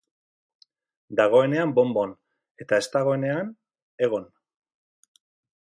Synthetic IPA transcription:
d̪aɣ̞o̞e̞ne̞ambo̞mbo̞n | e̞t̪ae̞st̪aɣ̞o̞e̞ne̞an | e̞ɣ̞o̞n

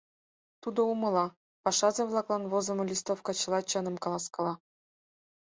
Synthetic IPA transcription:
t̪ud̪ŏumɤ̆lˠɑ | pɑʃɑzɤ̆βlˠɑklˠɑnβozɤ̆mɤ̆lʲist̪ofkɑt͡ɕɤ̆lˠɑt͡ɕɤnɤ̆mkɑlˠɑskɑ̆lˠɑ

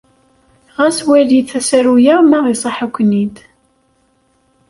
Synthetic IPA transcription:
ʁæswæliθæsæɾujæmæʁisˤɑħakʷːnid̪

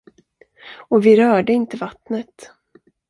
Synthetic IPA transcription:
ɔvɪɾœːɖəɪnt̪əvat̪nət̪

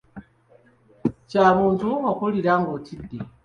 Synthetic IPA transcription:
t͡ʃaβuːntʰuŋakuliɾaŋɡotʰide

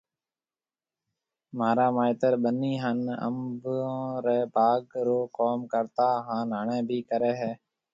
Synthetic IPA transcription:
maːɾaːmaːɪt̪əɾɓəniːɦənə̰mb̃ːɾɛːbʱaːɡɾoːkoːmkəɾt̪aːɦãːnəɳɛ̃ːbʱiːkəɾɛːɦɛː

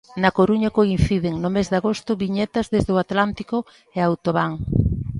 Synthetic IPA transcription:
nɐkoɾuɲɐkoin̟θiðɪŋnʊmezðaɣost̪ʊβiɲet̪ɐzðezðʊat̪lant̪i̥kʊ | eawt̪oβaŋ

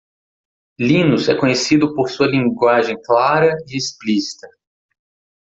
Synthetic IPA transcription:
lĩnuzɛkõɲesid̪ʊpoɾsuɐlĩŋɡwaʒẽj̃klaɾɐiesplisi̥t̪ɐ

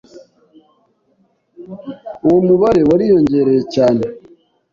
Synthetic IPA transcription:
owomuβaɾe̞waɾijo̞ɲɟe̞ɾe̞jecaːne̞

